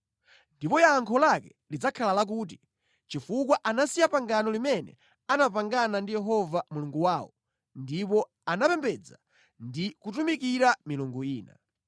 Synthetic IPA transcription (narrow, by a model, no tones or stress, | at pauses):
ndipɔjaːŋkʰɔlakɛ | lid͡zakʰalalak̬uːt̬i | t͡ʃifukwaʔanasijapaŋɡanɔlimɛnɛ̰ | anapaŋɡanandijɛɦɔvamuluŋɡuwaːwɔ̰ | ndipɔ | anapɛmbɛd͡za | ndikutumikiɾamiluŋɡuiːna̰